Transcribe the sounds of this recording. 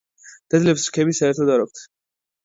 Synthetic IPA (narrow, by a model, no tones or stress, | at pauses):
d̪̥ɛd̪lɛpsɾkʰɛbisaɛɾt̪ʰɔd̪aɾɔk̚t̪ʰ